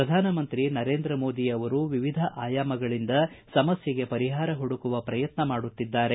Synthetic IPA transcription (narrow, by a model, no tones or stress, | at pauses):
pɾɐd̪ʱaːnɐmɐnt̪ɾinɐɾe̞ːnd̪ɾɐmo̞ːd̪ijɐʋɐɾuʋiʋid̪ʱɐʔaːjaːmɐɡɐɭind̪ɐ | sɐmɐsjɐɡe̞pɐɾiɦaːɾɐɦuɽukuʋɐpɾɐjɐt̪nɐmaːɽut̪ːid̪ːaːɾe̞